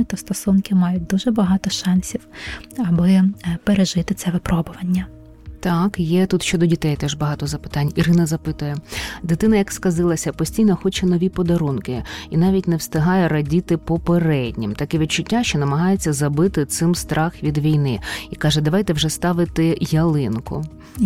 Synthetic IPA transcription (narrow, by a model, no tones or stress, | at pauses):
t̪ɔst̪ɔsunkɪmɑjʊt̚ʲd̪uʒɛbɐɦɑt̪ɔʃɑnʲsʲiwɐbɪpeɾeʒɪt̪ɪt̪sɛʋɪpɾɔbʊʋɐnʲːɐ | t̪ɑkjɛt̪ut̪ʃt͡ʃɔd̪ɔdʲit̪ɛjt̪ɛʒbɐɦɑt̪ɔzɐpɪ̥t̪ɑnʲiɾɪnɐzɐpɪt̪ʊjɛd̪ɪt̪ɪnɐjɐkskɐzɪlˠɐsʲɐpɔsʲtʲijnɔxɔt͡ʃɛnɔʋʲipɔd̪ɐɾunkɪinɑʋʲitʲnɛwst̪ɪɦɑjɛɾɐdʲit̪ɪpɔpeɾɛdʲnʲimt̪ɐkɛʋʲit̪̚t͡ʃʊtʲːaʃt͡ʃɔnɐmɐɦɑjet͡sʲːɐzɐbɪt̪ɪt̪sɪmst̪ɾʔɑxʋʲid̪ʋʲijnɪikɑʒɛd̪ɐʋɑjt̪ɛwʒɛst̪ɑʋɪt̪ɪjɐlˠɪnkʊ̰